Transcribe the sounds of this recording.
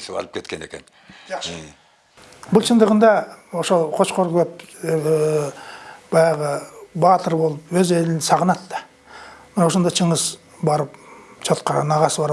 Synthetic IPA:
sɑ̰lˠəpkʰe̞t̪̚kʲene̞̰kʲen | bʊlˠt͡ʃʰənd̪əʁənd̪ɑoʃoqʰo̞t͡ʃqoɾʁlˠɑp | b̥ɑjɑʁəbɑt̪əɾbo̞lˠəpwɵze̞lɪnsɑʁənɑt̪ːɑ̥ | mɪnwoʃ̬ond̪ɑt͡ʃʰəɴəs | bɑɾəpt͡ʃʰot̪qɑɾɑ̰nɑʁɑsbɑɾ

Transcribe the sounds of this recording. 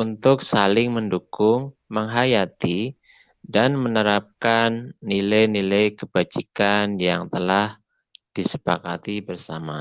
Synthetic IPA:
unt̪ʊksalɪŋməndukʊŋ | məŋɦajat̪i | danmənəɾap̚kanːilajnilajkəb̥ad͡ʒikanjaŋt̪əlah | d̥isə̥pakat̪ibərsa̰ma

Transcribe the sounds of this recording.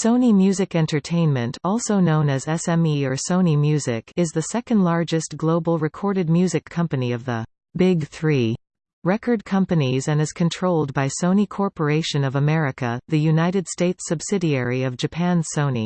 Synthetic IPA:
sõʊ̃nimjʉzɨkɛ̃ntə˞tʰẽɪ̃nmɨ̃ntʰɔlˠsoʊnõʊ̃nɨzɛsɛ̃miə˞sõʊ̃nimjʉzɪkʰɨzðɨsɛkɨ̃ndˡlˠɑɹd͡ʒɨst̚ɡ̥loʊbl̩ˠɹɨkʰɔɹɾɨd̚mjʉzɨkʰʌ̃mpɨniʌvðə | bɪɡ̚θɹi | ɹɛkə˞d̚kʰʌ̃mpɨnizɨ̃nɨz̥kʰɨ̃ntʰɹ̥oʊlˠd̚baɪsõʊ̃nikʰɔɹpə˞eɪʃɨ̃nʌvəmɛɹɨkɨ̰ðɨjʉnaɪɾɨd̥steɪtsɨb̥sɪɾiɛɹiʌvd͡ʒɨpʰæ̃nsõʊ̃nḭ

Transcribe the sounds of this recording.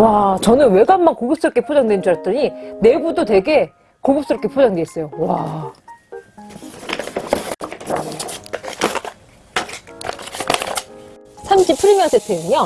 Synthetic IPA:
wat͡ɕʌnɯnwe̞ɡanːankoɡɯp̚s͈ɯɾʌk͈e̞pʰod͡ʑaŋdwend͡ʑuɾat͈ʌɲine̞ɡudote̞ɡe̞ | koɡɯp̚s͈ɯɾʌpkʰepʰod͡ʑaŋdeis͈ʌjowa | sʰamɕipʰɯɾimjʌnsʰetʰeɯŋjʌ

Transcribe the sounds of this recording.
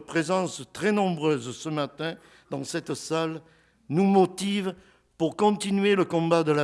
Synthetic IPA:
pχezɑ̃st̪χɛnɔ̃bʁøzsəmat̪ɛ̃ | d̪ɑ̃sɛt̪sal | numot̪iv | puʁkɔ̃t̪inɥeləkɔ̃bad̪əla

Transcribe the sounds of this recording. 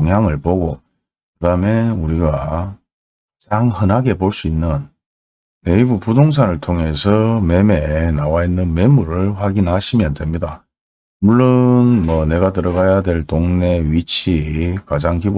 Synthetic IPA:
oŋjaŋɯɭpoɡo | kɯdame̞uɾiɡa | d͡ʑaŋhɯnɦaɡe̞poɭs͈uinːɯnː | e̞ibupudoŋs̬ʰanɯɭtʰoŋe̞sʰʌme̞me̞nawainːɯnmemuɾɯɭɸwaɡinɦaɕʰimjʌndemɲida | muɭːonmʌne̞ɡatɯɾʌɡajadwe̞ɭtoŋne̞ɥit͡ɕʰikad͡ʑaŋkib

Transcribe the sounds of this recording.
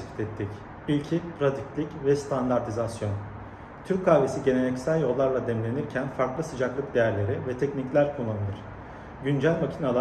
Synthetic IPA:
i̥t̪ʰɛt̪ʰːic | ilʲcʰipʰɾad̪iclʲicvɛst̪ʰand̪aɾt̪ʰizasjo̞n | t̪ʰyɾckʰːaːvesiɟe̞nenɛcsælʲjo̞lˠːaɾlˠad̪ɛmlʲe̞niɾcʰænfaɾklˠɯsɯd͡ʒaklˠɯk̚d̪e̞jæɾlʲe̞ɾivɛt̪ʰɛcniclʲæɾkʰulˠːanɯlˠɯɾ̥ | ɟynd͡ʒælʲmacʰinalˠa

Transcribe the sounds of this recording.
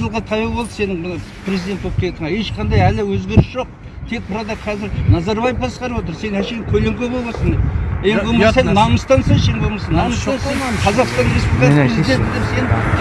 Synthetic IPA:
ʒəlˠʁɑt̪ʰɑjəlˠbod̪ə̥se̞nɪŋmənə | pʰrʲezid̪ent̪wo̞p̚qejet̪ʰəɴɑe̞ʃqʰɑnd̪ɑjælɪwɵzɡʲe̞ɾɪsʒ̥o̞q̚ | t̪ʰe̞k̚bʊɾɑd̪ɑqʰɑzɪɾnɑzɑɾbɑjəfbʰɑsqɑɾəpwo̞t̪̬əɾse̞nhæʃe̞jɪŋkʲʰɵleŋkʲebobɑsənd̪ep̚ejeɡomsennɑməst̪ɑnsɑzʃeŋɡbomɑsɑnɑmsɑnenqʰɑzɑqst̪ɑnɾespublikɾezid̪e̞nt̪ɪd̪epse̞nɪ

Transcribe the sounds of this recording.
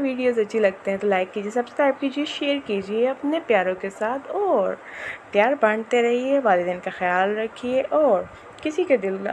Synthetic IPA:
ʋiːɖijoːzɐtːʃʰilɐɡ̚t̪eɦɛ̃t̪olaːɪkːiːd͡ʒiesɐbskɾaːɪb̚kiːd͡ʒieʃeːɾkiːd͡ʒieɐpnepjaːɾõkesaːt̪ʰɔːɾpjaːɾbɐɳ̃t̪eɾɐɦiɛʋaːlɪd̪ɪnkaxɐjaːlɾɐkʰːieʔɔːɾ | kɪsiked̪ɪl

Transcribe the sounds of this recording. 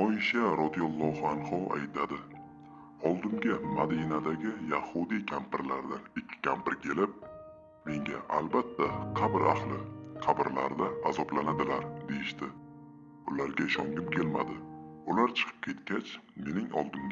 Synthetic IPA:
ɒjʃaɾɒd̪ijɒlˠːɒhanhɒa̰jt̪ʰad̪ɪ | ɒlˠd̪ɪmɡʲamad̪inad̪aɡʲɪjahʊd̪ikʲʰampɪɾlaɾd̪anɪkʲʰːɪ̥kʲʰampɪɾkʲʰe̞lɪp̚ | me̞ŋɡʲaʔalbat̪ʰːaqʰɑbɪɾʔa̰χlˠɪqʰɑbɪɾlaɾd̪aːzɒblanad̪ɪlaɾd̪e̞jɪʃt̪ɪ | bʊlaɾɡʲaɪʃɒŋɡʲɪpkʲʰe̞lma̰d̪ɪʊlaɾt͡ʃʰɨ̥qʰɨ̥p̚kʲʰe̞t̪kʲat͡ʃme̞nɪŋɒ̰lˠd̪ɪmɡʲ

